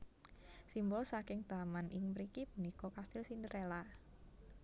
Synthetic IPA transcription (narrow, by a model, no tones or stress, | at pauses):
simbɔlsakɪŋt̪amanʔɪŋməɾikipənikɔkast̪ɪlsindəɾela